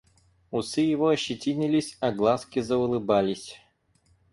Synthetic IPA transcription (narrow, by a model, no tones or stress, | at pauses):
ʊsɨjɪvoɐɕːɪtʲinʲɪlʲɪsʲɐɡlˠaskʲɪzəʊlˠɨbalʲɪsʲ